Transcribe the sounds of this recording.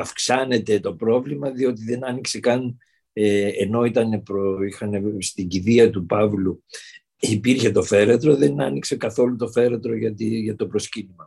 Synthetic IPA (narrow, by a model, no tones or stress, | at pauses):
ɐfksɐne̞t̪e̞t̪o̞pɾo̞vlimɐðio̞t̪̬iðe̞nɐnikse̞kɐn | eeno̞it̪ɐne̞pɾoixɐne̞st̪iɟiðiɐt̪upɐvlu | ipiɾçe̞t̪o̞fe̞ɾet̪ɾo̞ðe̞nɐnikse̞kɐθo̞lut̪o̞fe̞ɾet̪ɾo̞ʝɐt̪iʝɐt̪o̞pɾo̞scinimɐ